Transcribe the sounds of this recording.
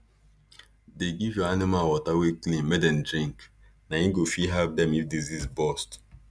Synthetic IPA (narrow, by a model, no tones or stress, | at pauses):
deɡivjɔanimalwɔtaweklĩmɛdɛ̃n̩dɾĩŋk | naĩɡofiɦɛlp̚dɛ̃mifdezizbɔst